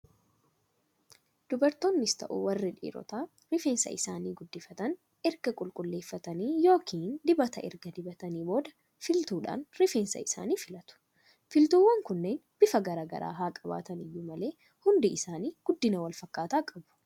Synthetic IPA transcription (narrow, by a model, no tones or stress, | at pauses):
d̪̥ʊbɐɾt̪oːnːɪst̪ɐ̰ʔṵwɐrːɪᶑḭːɾɔ̰t̪aː | ɾɪfeːnsɐ̰ɪsaːniːɡʊd̪ːɪfɐt̪ɐn | ɛɾɡɐkʼʊlkʼʊlːe̞ːfːɐt̪ɐniːjo̞ːkʰiːnd̪ɪbɐt̪ɐʔɛ̰ɾɡɐd̪ɪbɐt̪ɐniːbo̞ːd̪ɐ | fɪlt̪uːᶑa̰ːnɾɪfeːnsɐ̰ɪsa̰ːniːfɪlɐt̪ʊ̥ | fɪlt̪uːwːɐŋkʊnːe̞ːnb̥ɪfɐɡɐɾaːɡɐ̰ɾa̰ːɦaːkʼɐba̰ːt̪ɐnɪjːuːmɐle̞ː | hʊnd̪ɪɪsaːniːɡ̥ʊd̪ːɪnɐwɐlfɐkːaːt̪aːkʼɐbʊ̥